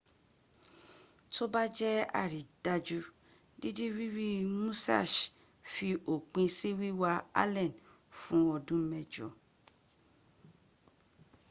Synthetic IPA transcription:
to˦ba˦d͡ʒɛ˦a̰˦˨ɾi˨da˧d͡ʒu˧ | di˦di˦ɾi˦ɾi˦mũ˦sa̰˦˨ʃ | fi˧ʔo˨k͡pĩ˧si˦wi˦wa˧a̰˦lɛ̃˦˨n | fũ˦ɔ˧dũ˦mɛ̃˦d͡ʒɔ̰˨

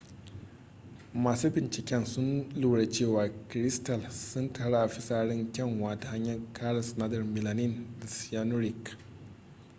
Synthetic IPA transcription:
maː˨suː˦bɪ˨nt͡ʃɪ˨kʲɛ˦nsʊ˦nluː˨ɽe˨t͡ʃeː˦˨waː˨kɾɪ˦stɐ˨lsʊ˦ntʰaː˨ɽa˦ʔa˨ɸɪ˦saː˦ɽɪ˦ŋkʲɛ˦˨ŋwaː˨˦da˨ha˦ɲjɐ˦rkʰaː˦lɐ˨snaː˦dɐ˨rmɪ˨la˨nɪ˦˨nda˨si˨ja˦nʊ˦ɾɪ˨k

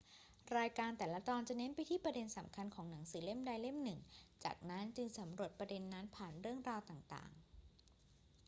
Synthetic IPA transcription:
ɾaː˧jkaː˧nt̪ɛː˨˩la˦˥t̪ɔː˧nt͡ɕa˨˩ne˦˥npa˧jt̪ʰiː˥˩pɾa˧de˧nsa˩˦mkʰa˧nkʰɔː˩˦ŋna˩˦ŋsɯː˩˦le˦˥˩mda˧jle˥˩mnɯ˨˩ŋt͡ɕa̰ː˨˩k̚na˦˥nt͡ɕɯ˧ŋsa˩˦mɾu˨˩ət̪̚pɾa˧de˧nːa˦˥npʰaː˨˩nɾɯ˥˩əŋɾaː˧wt̪aː˨˩ŋt̪a̰ː˨˩ŋ

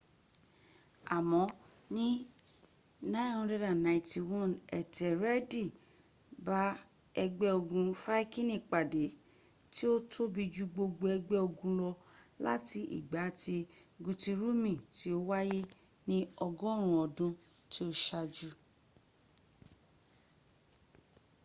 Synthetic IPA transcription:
a˨mɔ̃˨˦ | nĩ˦ | nã˦˧˦ɾɛ˦ɾa˨nã˨ĩ˨ti˧wɔ̃˦˨nɛ˨tʰɛ˨ɾɛ˦di˨ | ba˦ | ɛ˧ɡ͡bɛ˦o˧ɡũ˧fa˦i˦kĩ˦nĩ˦˨k͡pa˨de˨˦ | ti˦o˦tʰo˦bi˧d͡ʒu˦ɡ͡bo˧ɡ͡bo˧ɛ˧ɡ͡bɛ˦o˧ɡũ˧lɔ˧la̰˦ti˧ʔḭ˨ɡ͡ba˨˦ti˧ɡu˧ti˧ɾu˦mĩ˨ti˨˦o˦wa˦je˦ | nĩ˦ɔ˧ɡɔ̃˦˨ɾ̃ũ˨ɔ˨dũ˦ | ti˦o˦ʃa˧d͡ʒu˦

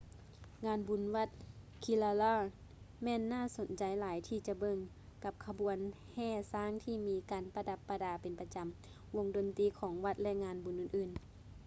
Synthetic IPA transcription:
ŋaː˧nbu˨˦nʋa˧˩t̪̚ | kʰi˧˨la˧laː˧˩ | mɛː˧˥˨nːaː˥˨so˨˦nt͡ɕa˨jlaː˨˦jt̪ʰiː˧t͡ɕa˧˦bɤ˧˩ŋ | ka˧p̚kʰa˧bu˨˦ən | hɛː˧˩˨saː˧˥˨ŋt̪ʰiː˧˩miː˧˦kaː˨npa˧da˧˦pːa˧daː˨˩pe˨npa˧t͡ɕa˨m | wo˧ŋdo˨nt̪iː˧˦kʰɔː˨˦ŋʋa˧˩t̪̚lɛ˧ʔŋaː˧nbu˨˦nʔɯː˧˩˨nʔɯː˧˩n

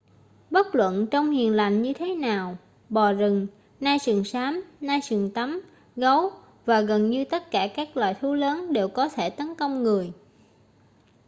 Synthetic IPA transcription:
ɓə˦˥t̚lwə̰˧˨nt͡ɕɔ˧wŋ͡mhi˨˩ənla˨˩ŋɲɨ˧t̪ʰe˨˦naː˨˩w | ɓɔ˨˩zɨ˨˩ŋ | naː˧jsɨ˨˩əŋsaː˨˦mnaː˧jsɨ˨˩əŋt̪a˨˦m | ɣə˨˦w | vaː˨˩ɣə˨˩nɲɨ˧t̪ə˦˥t̚kaː˧˩kaː˦˥k̚lwaː˨˩jt̪ʰu˨˦ləː˨˦nɗe˨˩wkɔ˨˦t̪ʰe˧˩t̪ə˨˦nkə˧wŋ͡mŋɨ˨˩əj

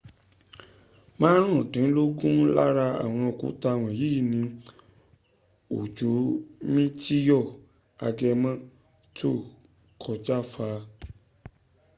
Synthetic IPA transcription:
mãː˦ɾ̃ũ˦˨dĩ˨˦lo˦ɡũ˦la̰˦ɾa˧a̰˨w̃ɔ̃˧o˨kṵ˨˦ta˧˨w̃ɔ̃˧˨ji˨˦i˦˨nĩ˧ | o˨d͡ʒo˨˦mĩ˦ti˦jɔ˦˨ | a˧ɡɛ˧mã˦˨ | tʰo˦˨ | kʰɔ˧d͡ʒa˦faː˧

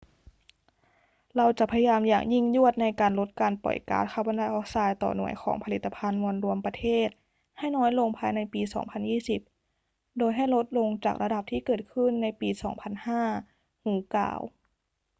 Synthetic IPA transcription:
ɾa˧wt͡ɕa˨˩pʰa˧ja˧jaː˧mja̰ː˨˩ŋji˥˩ŋju˥˩ət̪̚na˧jkaː˨˧nlo˧˦˥t̪̚kaː˨˧npɔ̰˨˩jka̰ː˨˦˥t̪̚kʰa˧˩wba˧ndaː˧jʔɔː˧˥saː˧jt̪ɔ̰ː˨˩nṵ˨˩əjkʰɔ̰ː˩˦ŋpʰa˧li˨˩t̪ʰːa˧pʰa˧nmu˧ənɾu˧əmpa˧t̪ʰeː˥˩t̪̚ | ha˥˩jnɔː˦˥jlo˧ŋpʰaː˧jna˧jpiː˧sɔ̰ː˩˦ŋpʰa˧njiː˥˩si˨˧˩p̚ | doː˧jɦa˥˩jlo˦˥t̪̚lo˧ŋt͡ɕaː˨˩k̚ɾa˧da˨˩p̚t̪ʰiː˥˩kɤː˨˩t̪̚kʰɯ˥˩˨nːa˧jpiː˧sɔ̰ː˩˦ŋpʰa˧nhaː˥˩ | huː˨˩˦ka̰ː˧˩˦w

